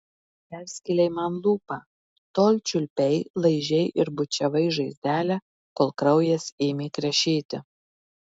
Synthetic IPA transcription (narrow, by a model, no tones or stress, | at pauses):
pʲæˑɾʲsʲkʲɪlʲɛɪmɐnlˠuːpɑː | t̪oːlʲt͡ʃʲʊlʲpʲɛɪlˠɐɪʒʲɛɪʔɪɾbʊt͡ʃʲɛʋɐɪʒɐɪzʲd̪ʲæːlʲɛ | koːlˠkɾɐʊjɛsʲeːmʲekɾʲɛʃʲiːt̪ʲɪ